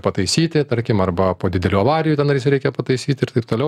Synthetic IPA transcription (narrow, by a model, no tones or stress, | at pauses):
pɐt̪ɐɪsʲiːt̪ʲɪt̪ɐɾʲkʲɪmɐrbɐpoːd̪ʲɪd̪ʲɛlʲuːɐʋɑːɾʲɪjut̪ʲɛnɐɾjɪsʲɾʲɛɪkʲɛpɐt̪ɐɪsʲiːt̪ʲɪɾt̪ɐɪp̚t̪oːlʲɛʊ